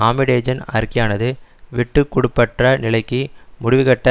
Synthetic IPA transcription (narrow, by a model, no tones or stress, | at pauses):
aːmɪɽeːd͡ʒɐnɐ̰ɾkɪjaːnɐðɯʋɪʈːɯkːʊɽɯpːɐʈrɐnɪlɐɪkːɯmʊɽɪʋɯɣɐʈːɐ